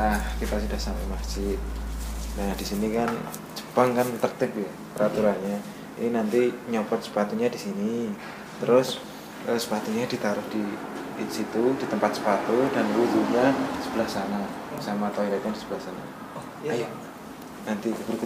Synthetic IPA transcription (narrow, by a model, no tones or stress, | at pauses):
ahkit̪asudahsampamḁd͡ʒ̥ɪt̪̚nahd̥isinikan | d͡ʒə̥b̥aŋkant̪ərt̪ɪpja | pəɾat̪uɾanɲa | ḭninant̪iɲobɔt̪̚sə̥pat̪uɲadisini | t̪əɾʊs | ʔəsə̥pat̪uɲadit̪aɾʊhdi | sit̪ud̥it̪əmpat̪̚sə̥pat̪udanlud͡ʒuɡasəbəlahsana | samat̪ajak̪andisəbəlahsana̰ | ja | nant̪ikəbəɾk